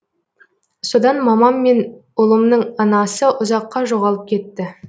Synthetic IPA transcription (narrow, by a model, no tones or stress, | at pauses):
so̞d̪ɑnmɑmɑmːe̞nʊlˠəmnəɴɑnɑsəʔʊzɑqːɑʒo̞ʁɑlˠəp̚kʲʰe̞t̪ːɪ